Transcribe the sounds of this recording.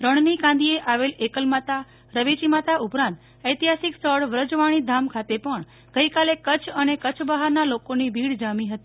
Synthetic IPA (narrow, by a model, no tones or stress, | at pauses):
ɾəɳnikãnd̪ieʔaʋelekəlmat̪a | ɾəʋit͡ʃimat̪aʔupɾãnt̪ | əjt̪iɦasiksəɽʋɾəd͡ʒʋaɽ̃id̪ʱamkʰat̪epəɳ | ɡ̥əjkalekət͡ʃʰənekət͡ʃʰbəɦaɾnalokonibʱiɽd͡ʒamiɦət̪i